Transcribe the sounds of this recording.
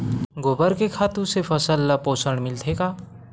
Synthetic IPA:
ɡobəɾkekʰaːt̪ũsepʰəsəlːapoːsəɽ̃mɪlt̪ʰekaː

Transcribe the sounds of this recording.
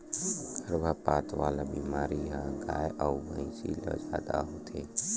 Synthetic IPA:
ɡʰʱəɾbʱəpaːt̪ʋaːlabimaːɾiɦaɡaːjʔəubə̃ĩt͡ʃḭlə̰d͡ʒa̰ːd̪a̰ɦoːt̪ʰe

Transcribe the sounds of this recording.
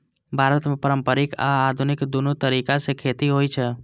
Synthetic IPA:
bʱaːɾət̪mẽpəɾəmpəɾɪka̰ːd̪ʱunɪkd̪unut̪əɾikasekʰeːt̪iɦoit͡ʃʰɛ

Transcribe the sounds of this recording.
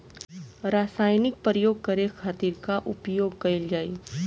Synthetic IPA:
ɾaːsaːjnɪk̚pɾəjoːɡ̚kɐɾexʰaːt̪iːɾkaʔʊpjoːɡ̚kɐɪld͡ʒaːi

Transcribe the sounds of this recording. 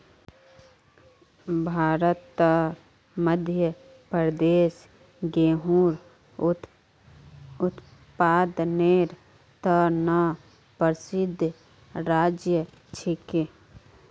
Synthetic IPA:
bʱaːɾət̪ːə | məd̪ʱjə | pɾəd̪eːs | ɡeːɦuːɾ | ʊt̪paːd̪neːɾ | t̪əna | pəɾsɪd̪ʱ | ɾaːd͡ʒjə | t͡ʃʰɪke

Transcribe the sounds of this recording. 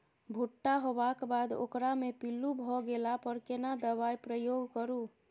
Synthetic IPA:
bʱuʈːaɦobakbad̪o̰kɾamepilːubʱɔɡelapəɾkenad̪əβajpɾəjoɡkəɾu

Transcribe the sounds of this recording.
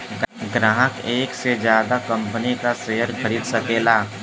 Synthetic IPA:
ɡɾãːɦəkeːksed͡ʒjaːd̪akɐ̃mpənikaʃeɦəɾɡʰʱəɾit̪sɐkeːlaː

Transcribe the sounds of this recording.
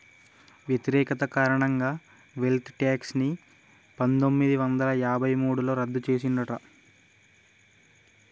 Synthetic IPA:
ʋjet̪iɾɛːkɐt̪ɐkaːɾɐɳɐŋɡaː | ʋe̞lt̪ʰʈaːksni | pɐnt̪o̞mːid̪iʋɐnd̪ɐlɐjaːbʱɐjmuːɽulo̞ːɾɐd̪ːut͡ʃe̞ːs̬inɖ̪ɐʈɐ

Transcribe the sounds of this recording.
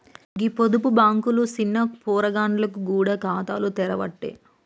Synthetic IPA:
ɡipod̪upubaːŋkulusinːɐkpɔːɾɐɡaːɳɖlɐkuɡuːɽɐkaːt̪a̰ːlut̪ɛɾɐʋɐ̰ʈːḛː

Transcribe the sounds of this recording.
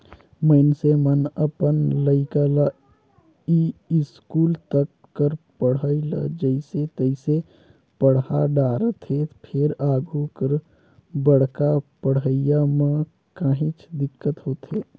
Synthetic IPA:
məɪnsemənəpənləɪkala | iɪskuːlt̪əkːəɾpəɽ̤əilə̰d͡ʒəɪset̪əɪse | pəɽ̤ɦaɖaːɾət̪epʰɪɾaːɡʱukəɾ | bəɽ̤kapəɽ̤əɪjamã | kaːɦĩt͡ʃd̪ɪkːət̪ɦoːt̪ɦeː

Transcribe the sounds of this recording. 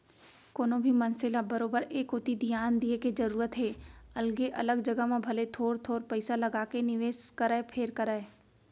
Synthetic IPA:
koːnõbʱimɐnsɪlabɐɾoːbəɾeːkʊt̪id̪ʱijaːnd̪ieked͡ʒɐɾuːɾət̪ɦeːɐlɡeʔɐləɡd͡ʒɐɡəɦmẽbʱɐlet̪ʰoːɾt̪ʰoːɾpɐɪsalɐɡaːkenɪʋeːʃkəɾəepʰeːɾkəɾəe

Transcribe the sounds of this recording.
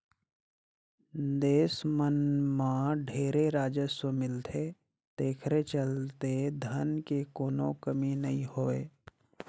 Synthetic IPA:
d̪eːsmənmãɖʱeːɾeɾaːd͡ʒəsəmɪlt̪ʰe | t̪eːkʰɾet͡ʃəlt̪ed̪ʱənkekoːno̰kəminɐɦĩhoːḛː

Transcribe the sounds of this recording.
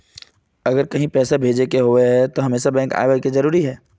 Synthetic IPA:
ɐɡəɾkɐɦĩpɛːsabʱeːd͡ʒekeɦoeɦɛt̪oɦɐmeːsabɛ̃ːŋka̰ːjʋakezɐɾuːɾiɦɛː

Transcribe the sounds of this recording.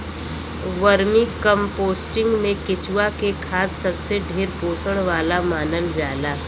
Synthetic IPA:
ʋəɾmikəmpoːsʈɪ̃ŋɡmẽkɪt͡ʃwakekʰaːd̪sɐbseɖʱeːɾpoːsəɽ̃ʋaːlamaːnəld͡ʒaːlaː

